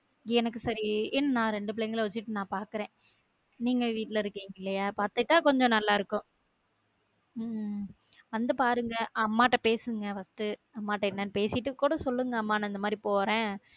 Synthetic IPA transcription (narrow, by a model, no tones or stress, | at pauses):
ɛnɐk̬ːɯsɐɾiɛnːɐnãːɾɛɳɖɯp̬ɪɭeːŋɡɐɭʋɐt͡ʃːɯʈːɯnãːpaːɾkɯɾẽː | niːŋɡɐʋiːʈːɪlɐɪɾɯkːiːŋɡɐɪlːɐjaːɪpːaɐt̪ːɯʈːaːkɔɲd͡ʒɔ̃nɐlːaːɪɾɯkːʊ̃ | ʋɐnd̪ɐpaːɾɯŋɡɐɐmːaːʈːɐpeːsɯŋɡɐfɐsʈɯɐmːaːʈːɐɛnːɐnpeːsɪʈːɯkːuːɽɐsɔlːɯŋɡɐɐmːaːnɐ̃ɪnd̪ɐmaːd̪ɾipoːɾẽː